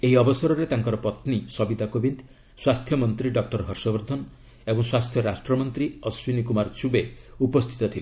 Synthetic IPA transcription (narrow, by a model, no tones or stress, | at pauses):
eiɔbɔsɔɾɔɾet̪aŋkɔɾɔpɔt̪nisɔbid̪ʱakobind̪ | swast̪ʰjɔmɔnt̪ɾiɖɔk̚ʈɔɾɦɔɾsɔbɔɾd̪ʱɔn | ebɔŋswast̪ʰjɔɾasʈɾɔmɔnt̪ɾiɔswinikumaɾt͡ʃubeupɔst̪ʰi̥t̪ɔt̪ʰile